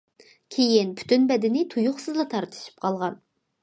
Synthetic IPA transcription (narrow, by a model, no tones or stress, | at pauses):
kʲʰejinpʰy̥t̪ʰynbɛd̪ɪnɪt̪ʰujʊχsɨzlˠɑt̪ʰɑɾt̪ʰɨ̥ʃi̥p̚qʰɑlˠʁɑn